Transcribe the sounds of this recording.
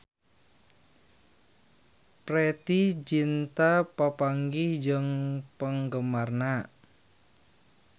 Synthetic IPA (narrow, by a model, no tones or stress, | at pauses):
pɾet̪ihd͡ʒint̪apapaŋɡɪhd͡ʒəŋpəŋɡəmarna